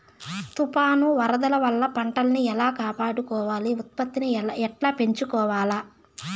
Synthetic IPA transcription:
t̪upaːnuʋɐɾɐd̪ɐlɐʋɐlːɐpɐɳʈɐlɐniɛlaːkaːpaːɽukɔːʋaːliut̪̚pɐt̪ːiniɛʈlaːpe̞ɲt͡ʃukɔːʋaːlaː

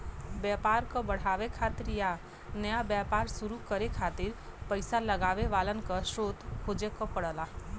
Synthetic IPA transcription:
bjaːpaːɾkobəɽ̤aːʋekʰaːt̪ɾja | nəjabjaːpaːɾsuɾukəɾekʰaːt̪ɪɾ | pəɪsaləɡaːʋeʋaːlənkəʃɾoːt̪hoːd͡ʒekɔpəɽəla

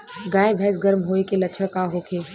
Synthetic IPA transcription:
ɡaːebʱɛːsɡɐɾmɦoːekelɐt͡ʃʰəɽkaɦoːkʰeː

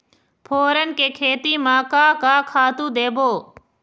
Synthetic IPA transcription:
pʰoːɾənkeːkʰeːt̪iːmãːkaːkaːkʰaːt̪ũːd̪eːboː

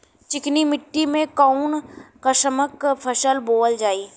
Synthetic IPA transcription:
t͡ʃɪknimɪʈːimẽkaunkɐʃəməkpʰəʃəlboːəld͡ʒaːiː

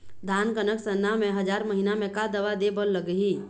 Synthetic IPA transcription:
d̪ʱaːnkənəksənːamẽɦəd͡ʒaɾməɦinamẽkad̪əʋad̪ebəlːəɡəɦi

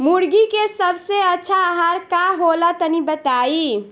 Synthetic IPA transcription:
muɾɡikesəbseətːt͡ʃʰaɦaɾkaɦolat̪ənibət̪ai

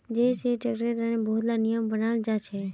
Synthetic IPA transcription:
d͡ʒeseʈəɡɾeʈaneboɦt̪lanijəmbənald͡ʒat͡ʃʰe

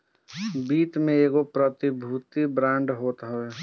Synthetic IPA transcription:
biːt̪mẽeːɡopɾət̪ibʱuːt̪ibɾãːɳɖɦoːt̪ɦɛɛ

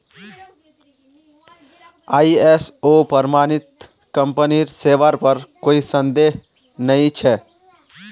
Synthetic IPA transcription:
aːiesoːpəɾmaːnɪt̪ | kəmpəniɾseːʋaɾpəɾkoːisənd̪eɦ | nəĩt͡ʃʰɛ

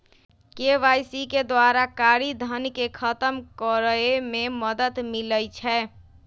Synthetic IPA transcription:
keʋajsiked̪waɾakaɾid̪ʱənkekʰət̪əmkɔɾəememəd̪ət̪miləjt͡ʃʰɛ

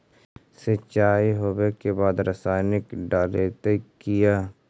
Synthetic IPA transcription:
set͡ʃaːiɦowekebaːd̪ɾəsaːɪnɪkɖaːleːt̪ekijaː

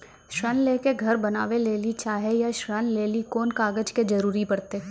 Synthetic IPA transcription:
ʃɾənleːkeɡʱɐɾbɐnaːʋeleːlit͡ʃaːɦejaʃɾənleːlikoːnkaːɡəd͡ʒked͡ʒɐɾuːɾibɐɽt̪e

